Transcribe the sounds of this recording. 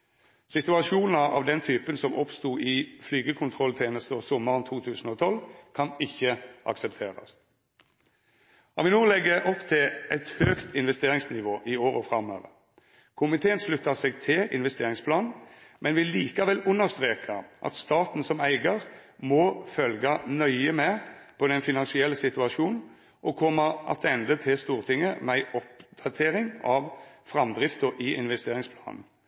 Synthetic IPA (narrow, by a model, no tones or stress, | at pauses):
sɪt̪ʉɑʃuːnɑʔɑ̰ːʋd̪ɛnt̪ʰyːpənsɔmʔɔpst̪uːʔɪflyːɡəkʰʊnt̪ʰʁɔlt̪ʰeːnəst̪əɔsɔmːəʁənt̪ʰuːt̪ʰʉːsn̩ɔːt̪ʰɔlkʰɑnɪçːəʔɑ̰ksɛpt̪ʰḛːʁɑ̰s | ɑʋɪnuːlɛɡəʔɔpt̪ʰɪlʔɛɪt̪høːkt̪ʰɪnʋɛst̪eːʁɪŋsnɪʋoːʔɪoːʁɔfʁɑmø̰ːʋə̰ | kʰʊmɪt̪ʰeːənʂlʉt̪ːɑsɛɡt̪ʰɪlʔɪ̰nʋɛst̪eːʁɪŋspʰlɑːnmʔɛnʋɪliːkɑʋɛlːʉnːəʁst̪ʁeːkʰɑʔɑ̰t̪st̪ɑːt̪n̩sɔmæɪɡəʁmɔfœlɡɑnœʏəmɛpʰɔd̪ɛnfɪnɑnsɪɛlːəsɪt̪ʉɑʂuːnn̩ | ʔɔkʰɔmːəʔɑ̰t̪ʰɛnd̪ət̪ʰɪlst̪uːʁt̪ʰɪŋːəmæɪʔɔp̚d̪̥ɑt̪ʰeːɾɪŋɑʋfɾɑmd̪ʁɪft̪əʔɪʔɪnʋɛst̪eːɾɪŋspʰlɑ̰ːnn̩